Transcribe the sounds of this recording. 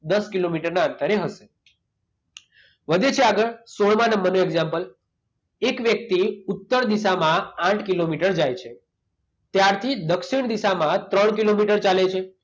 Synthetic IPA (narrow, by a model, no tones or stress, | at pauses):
d̪əskilomiʈəɾnaənt̪əɾeɦəʃe | ʋəd̪ʱet͡ʃʰeaɡəɭsoɭmãnəmənoeɡzãmpəl | ekʋjək̚t̪iut̪ːəɾd̪isamããʈʰkilomiʈəɾd͡ʒajt͡ʃʰe | t̪jaɾt̪ʰid̪əkʃiɳd̪isamãt̪ɾəɳkilomiʈəɾt͡ʃalet͡ʃʰe